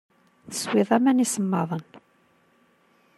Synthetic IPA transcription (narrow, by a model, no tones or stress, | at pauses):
θə̥swɪðˤæmænisəmːɑðˤən